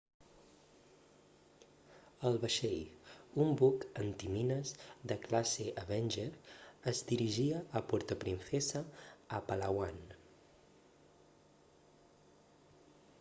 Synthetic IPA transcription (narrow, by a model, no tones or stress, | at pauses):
əlˠβəʃejumbukənt̪iminəzd̪əklaseʔəβɛnʲʒeɾəzd̪iɾiʒiəʔːpuɾt̪əpɾinsɛsəːpəlawan